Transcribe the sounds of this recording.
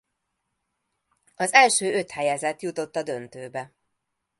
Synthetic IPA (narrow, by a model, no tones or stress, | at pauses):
ɒzɛlʃøːø̞t̪hɛjɛzɛt̪jut̪o̞t̪ːɒd̪ønt̪øːbɛ